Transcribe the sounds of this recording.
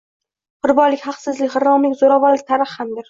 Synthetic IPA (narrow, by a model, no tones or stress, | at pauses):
qʊɾbɒlɪkʲhaqsɪzlɪkʲχɪɾɒmlɪkʲzoɾavɒɾlɪk̚ʲt̪ʰaɾɨχhamd̪ɪɾ